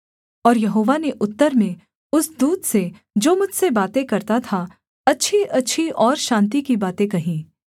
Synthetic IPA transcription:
ɔːɾjɐɦoːʋaneʔʊt̪ːəɾmẽ | ʊsd̪uːd̪se | d͡ʒoːmʊd͡ʒʱsebaːt̪ẽkɐɾt̪at̪ʰa | ɐtːʃʰiʔɐtːʃʰiʔɔːɾʃãːnt̪̬ikibaːt̪ẽkɐɦĩː

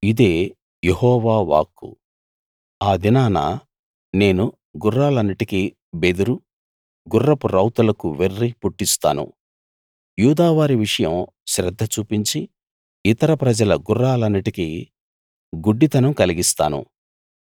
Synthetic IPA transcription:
id̪e̞ː | jehɔːʋaːʋa̰ːkːṵ | aːd̪inaːna̰ | ne̞ːnu | ɡurːaːlɐnːiʈiki | bed̪uɾu | ɡurːɐpuɾɐwt̪ulɐkuʋerːipuʈːist̪a̰ːnṵ | juːd̪aːʋaːɾiʋiʂɐjɐm | ʃɾɛd̪ʱːɐt͡ʃuːpiɲt͡ʃi | it̪ɐɾɐpɾɐd͡ʒɐlɐɡurːaːlɐnːiʈiki | ɡuɖːit̪ɐnɐmkɐliɡist̪a̰ːnṵ

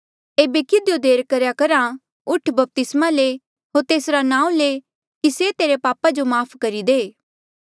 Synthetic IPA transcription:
eːbekɪd̪jod̪eːɾkɐɾjakɐɾã | ʊʈʰbɐp̚t̪ɪsmale | ɦoːɾt̪eːsɾanãːũle | kiset̪eːɾepaːpad͡ʒomaːpʰkɐɾid̪eː

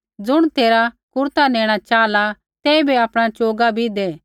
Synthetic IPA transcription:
d͡zʊɽ̃t̪eːɾakʊɾt̪aneːɽ̃at͡ʃaːla | t̪ɛːibeɐpɽ̃at͡ʃoːɡabʱid̪eː

